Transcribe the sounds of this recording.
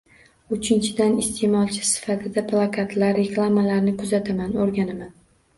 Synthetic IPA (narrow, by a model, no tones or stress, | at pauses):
ʊt͡ʃʰɪnt͡ʃʰɪd̪anɪst̪ʰe̞mɒlˠt͡ʃʰɪ̥sɪ̥fat̪ʰɪd̪aplˠakʰat̪laɾːe̞klˠamalaɾnɪkʰʊzat̪ʰamanoɾɡʲanaman